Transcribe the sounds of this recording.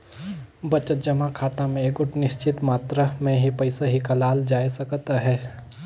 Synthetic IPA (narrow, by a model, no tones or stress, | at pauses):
bɐt͡ʃət̪̚d͡ʒɐmakʰaːt̪amẽeːɡʊʈnɪʃt͡ʃɪt̪maːt̪ɾamẽɦipɐɪsaɦikɐlaːld͡ʒaːjsɐkt̪aɦɛː